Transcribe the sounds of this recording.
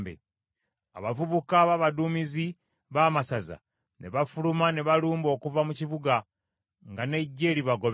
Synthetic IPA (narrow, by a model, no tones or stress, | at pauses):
bḛ | a̰βavuβukaβaβaduːmizi | βaːmasaza̰ | ne̞βafulumane̞βaluːmbo̞ːkuvamuciβuɡa | ŋɡane̞ɟːe̞ːɾiβaɡo̞β